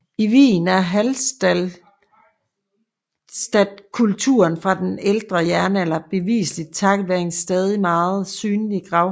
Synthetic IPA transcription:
iʋḭːn̩æɐɦæld̥ | sd̥æd̥̚kʰult͡sʰṵɐnfʁɑ̈d̥eneld̥ʁɐjæɐnəelɐb̥e̝ʋḭːslid̥̚t͡sʰɑ̈ɡ̥ʋæɐeŋsd̥ɛːð̞ˠimɑ̈ːð̞̩ˠsyːnliɡ̥ʁɑ̈ʊ

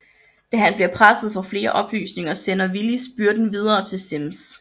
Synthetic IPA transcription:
d̥æɦænb̥liɐpʰʁasəð̩ˠfɒ̽fle̝ːɐʔɒ̽b̥ly̰ːsne̝ŋɐsenɐʋilisb̥yɐd̥n̩ʋið̞ˠɐːt͡sʰe̝lsems

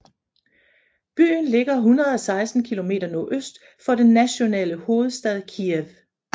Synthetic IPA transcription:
b̥y̰ːnle̝ɡ̥ɐɦunʁɐð̩ˠɒ̽sɑ̈ɪsd̥n̩kʰilo̝me̝̰ːd̥ɐnɔʔøsd̥ | fɒ̽d̥enːæɕo̝nɛ̰ːləho̝ːð̩ˠsd̥ɛðˠkʰieʋ

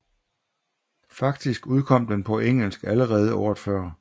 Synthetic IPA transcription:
fɑ̈ɡ̥̚d̥isɡ̥uðˠkʰɒ̽m̰d̥enpʰɒ̽ʔeŋ̰l̩sɡ̥æləʁɛːð̞ˠəɒːɐð̥ˠfɶɐ̰

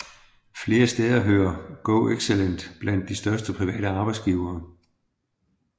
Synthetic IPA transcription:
fle̝ːɐsd̥eːð̞ˠɐɦøːɐɡ̥ɔʊeɡ̥selen̰d̥b̥læn̰d̥ːisd̥ɶɐsd̥əpʰʁiʋɛ̰ːɾəɑ̈ːb̥ɑ̈ɪsɡ̥iːʊɐː

